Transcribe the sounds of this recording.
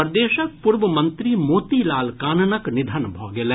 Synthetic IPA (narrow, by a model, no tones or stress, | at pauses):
əɾd̪eːʃək̚pʊɾʋəmɐ̃nt̪ɾimoːt̪ilaːlkaːnənəknɪd̪ʱənbʱoːɡeleː